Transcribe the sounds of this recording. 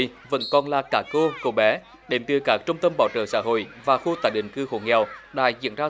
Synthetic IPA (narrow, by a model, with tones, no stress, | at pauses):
və̰˧˥nkɔ˨˩nlaː˨˩kaː˧˩ko˧ko˧˩ɓɛ˨˦ | ɗe˨˩mt̪ɨ˨əkaː˨˦˥k̚t͡ɕə˧wŋ͡mt̪ə˧mɓaː˧˩wt͡ɕə̰ː˧˩sa̰ː˧˥ɦo̰˧˨jvaː˨˩xu˧t̪aː˧˨˩jɗï˧˨ŋ̟kɨ˧xo̰˧˩ŋɛ˨˩wɗa̰ː˧˥zḭ˧˨ənzaː˧